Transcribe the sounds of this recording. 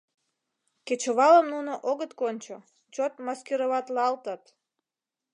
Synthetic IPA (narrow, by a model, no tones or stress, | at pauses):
ket͡ɕoβɑləmnunoʔoɣət̪konʲt͡ɕo | t͡ɕot̪mɑskeɾəβɑt̪lɑlt̪ət̪